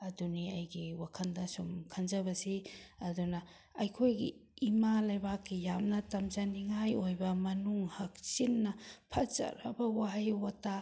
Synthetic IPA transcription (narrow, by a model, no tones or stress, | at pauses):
ɐduniɐjɡiwakʰɐndɐsumkʰɐnzɐbɐsiɐdunɐ | ɐjkʰojɡḭimalɐjbakːijamnɐtɐmzaniŋajojbɐmɐnuŋhɐk̚sinːɐpʰɐzɐ̰ɾɐ̰bɐwaɦjwata